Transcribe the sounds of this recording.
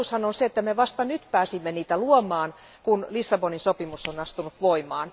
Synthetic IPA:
ushɑnonseet̪ːæmeʋɑst̪ɑnyt̪pæːsimːeniːt̪æluomɑːn | kunlisːɑboninsopimusːonɑst̪unut̪ʋoimɑːn

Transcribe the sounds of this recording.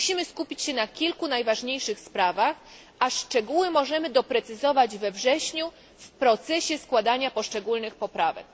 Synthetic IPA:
uɕimɘskupʲit͡ɕɕɛnakʲilkunajvaʐɲejʂɘxspɾavax | aʂt͡ʂɛɡuwɘmɔʐɛmɘd̪ɔpɾɛt̪sɘzɔvad͡ʑvɛvʐɛɕɲu | fpɾɔt̪sɛɕɛskwad̪aɲapɔʂt͡ʂɛɡulnɘxpɔpɾavɛ̰k̚

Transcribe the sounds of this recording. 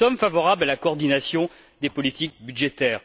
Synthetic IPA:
ɔmfavɔʁablalakɔːʁd̪inasjɔ̃ | d̪epɔlit̪ik̚byd̪ʒet̪ɛːʁ

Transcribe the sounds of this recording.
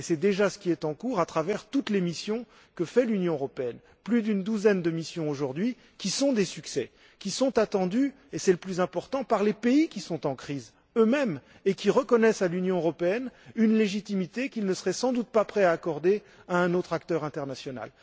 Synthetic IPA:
esɛd̪eʒasə̥kʲiɛt̪ɑ̃kuʁat̪χavɛʁt̪ut̪lemisjɔ̃ | kəfɛlynjɔ̃øʁɔpeɛn | plyd̪ynd̪uzɛnd̪əmisjɔ̃oʒuʁd̪ɥi | kʲisɔ̃d̪esyksɛ | kʲisɔ̃t̪at̪ɑ̃d̪y | esɛləplyzɛ̃pɔʁt̪ɑ̃paʁlepeikʲisɔ̃t̪ɑ̃kχiz | ømɛm | ekʲiʁəkɔnɛsalynjɔ̃øʁɔpeɛnynleʒit̪imit̪ekilnəsəʁɛsɑ̃d̪ut̪̚papχɛaːkɔʁd̪e | aɛ̃not̪χak̚t̪œʁɛ̃t̪ɛʁnasjɔna̰l

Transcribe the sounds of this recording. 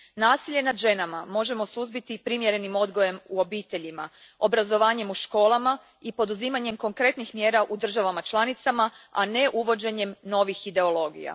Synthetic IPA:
naːsiʎe̞nad̪ʒe̞namamo̞ʒe̞mo̞suzbit̪ipɾimje̞ɾe̞nimo̞d̪ɡo̞je̞muo̞biːt̪e̞ʎima | o̞bɾazo̞ʋaːɲe̞muʃko̞ːlˠama | ipo̞d̪uziːmaɲe̞mko̞ŋkɾe̞t̪nixmje̞ːɾaʔud̪r̩ʒaʋamat͡ʃlˠanit̪samaa̰ne̞ʔuʋo̞d͡ʑe̞ɲe̞mno̞ʋixid̪e̞o̞lo̞ːɡḭja̰

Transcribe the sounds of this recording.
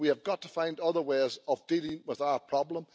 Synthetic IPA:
wiəvɡɑtʰə̥fãɪ̃ndʌðə˞weɪzəvdilˠɪ̃ŋwɪðaʊə˞pʰɹ̥ɑblə̃m

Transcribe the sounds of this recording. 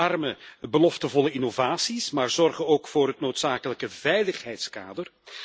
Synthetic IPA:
ɑrməbəlɔftəvɔləɪnovaːsismaːrzɔrχənoːkfoːɾɦətnoːtsaːkələkəvɛjləχɦɛjtskaːdər

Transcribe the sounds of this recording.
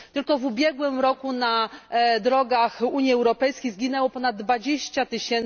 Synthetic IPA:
t̪ɘlkɔvubʲjɛɡwɘmɾɔkunad̪ɾɔɡaxuɲjiɛwɾɔpɛjskʲejzɡʲinɛwɔpɔnad̪̚d̪ːvad͡ʑeɕt͡ɕat̪ɘɕɛn

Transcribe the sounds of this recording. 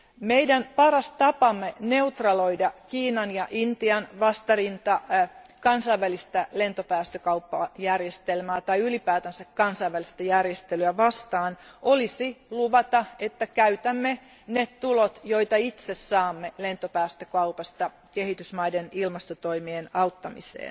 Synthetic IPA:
meidænpɑɾɑst̪ɑpɑmːene̞ut̪rɑloidɑkiːnɑnjɑʔint̪iɑnʋɑst̪ɑrint̪ɑkɑnsɑiʋælist̪ælent̪opæːst̪økɑupːɑjærjest̪elmæːt̪ɑiylipæːt̪ænsækkɑnsɑiʋælist̪æjærjest̪elyæʋɑst̪ɑːnʔolisiluʋɑt̪ɑet̪ːækæyt̪æmːe | nett̪ulot̪joit̪ɑit̪sessɑːmːelent̪opæːst̪økɑupɑst̪ɑ | kehit̪ysmɑidenilmɑst̪ot̪oimienɑut̪ːɑmḭsḛːn

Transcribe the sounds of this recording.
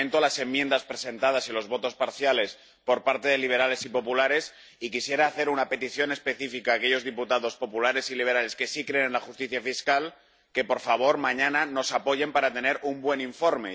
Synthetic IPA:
nt̪olase̞mːjend̪aspɾe̞se̞nt̪að̞asilo̞zβo̞t̪o̞spaɾθjale̞s | po̞ɾpaɾt̪e̞ðe̞liβ̞e̞ɾale̞sipo̞pulaɾe̞s | ikisje̞ɾaːθe̞ɾunape̞t̪iθjo̞ne̞spe̞θifikaːke̞ʝo̞zðiput̪aðo̞spo̞pulaɾe̞siliβ̞e̞ɾale̞ske̞sikɾe̞enlaxust̪iθjafiskal | ke̞po̞ɾfaβo̞ɾmãɲãnano̞sapo̞ʝe̞mpaɾat̪e̞ne̞ɾumbwe̞niɱfo̞ɾme

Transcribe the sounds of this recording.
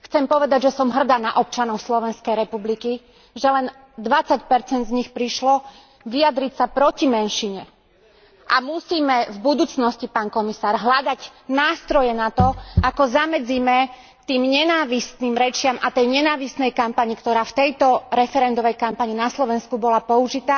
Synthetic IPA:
xt͡sɛmpɔʋɛd̪aɟʒɛsɔmɦr̩d̪aːnaʔɔp̚t͡ʃanɔʊslɔʋɛnskɛjɾɛpubliki | ʒɛlɛn | d̪ʋat͡sacpɛɾt͡sɛnd̪zɲixpɾiʃlɔ | ʋiad̪ɾicsapɾɔcimɛnʃiɲɛ | ʔamusiːmɛvbud̪uːt͡snɔscipaːnkɔmisaːɾɦlad̪aɟnaːst̪ɾɔjɛnat̪ɔakɔzamɛd͡ziːmɛ | t̪iːmɲɛnaːʋisniːmɾɛt͡ʃɪamʔat̪ɛjɲɛnaːʋisnɛjkampaɲikt̪ɔɾaːft̪ɛjt̪ɔɾɛfɛɾɛnd̪ɔʋɛjkampaɲinaslɔʋɛnskubɔlapɔuʒit̪aː

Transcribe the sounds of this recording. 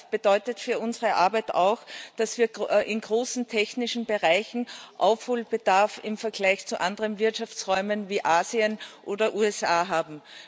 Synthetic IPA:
b̥əd̥ɔʏtətfyːɐʔʊnzəʁəʔaɐbæɪta̰ʊxd̥asv̥iːɐʔɪnɡʁoːsn̩tʰɛçnɪʃn̩bəʁaɪçn̩ʔa̰ʊfhoːlb̥əd̥aɐfɪmfɛɐɡ̥læɪçt͡suʔandəʁənvɪɐtʃaft͡sʁɔʏmənviːʔaːziənʔoːdɐʔuːɛsaːɦaːbm̩

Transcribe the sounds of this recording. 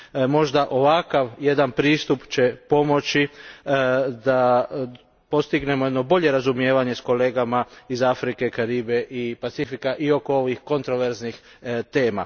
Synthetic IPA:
mo̞ʒd̪aʔo̞ʋakaʋje̞d̪anpɾiːst̪upt͡ɕe̞po̞mo̞t͡ʃi | d̪a | po̞st̪iɡne̞mojed̪no̞bo̞ʎe̞ɾazumje̞ːʋaɲe̞sko̞le̞ːɡamaizafɾike̞kaɾiːbe̞ʔipat̪sifikaʔio̞koo̞ʋixko̞nt̪ɾo̞ʋe̞ɾznix | t̪e̞ːma̰

